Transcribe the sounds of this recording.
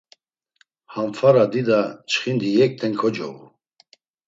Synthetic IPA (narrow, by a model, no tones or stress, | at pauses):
hamfaɾad̪id̪at͡ʃʰχind̪ijɛk̚t̪ʰɛŋkʰɔd͡ʒɔ̰vṵ